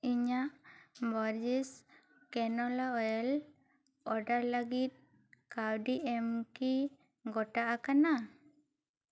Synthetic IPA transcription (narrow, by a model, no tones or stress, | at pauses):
iɲaʔbɔɾd͡ʒis | kɛnɔlaɔjɛl | ɔɖaɾləɡit̪̚ | kawɖiɛmki | ɡɔʈaʔakana